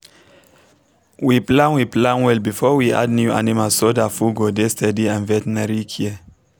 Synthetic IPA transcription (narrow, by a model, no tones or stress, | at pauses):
wiplãnwiplãnwɛlbifɔwiʔa̰d̚njua̰nimasodafuɡodestɛdiãnvɛtɛnaɹikʰiə